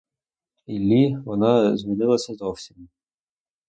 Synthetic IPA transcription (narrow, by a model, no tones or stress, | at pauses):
ilʲːiʋɔnɑzmʲinɪlˠɐsʲɐzɔwsʲim